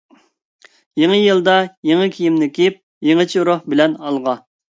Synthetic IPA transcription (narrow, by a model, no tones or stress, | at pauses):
jeŋɨjɨlˠd̪ɑjeŋɨkʲʰijimnɪkʲiip̚ | jeŋɨt͡ʃʰiɾohbɪlɛnɑlˠʁɑ